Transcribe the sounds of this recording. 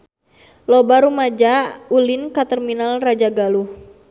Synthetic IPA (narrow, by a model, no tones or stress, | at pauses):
lɔbaɾumad͡ʒaulinkat̪ərminalrad͡ʒaɡaluh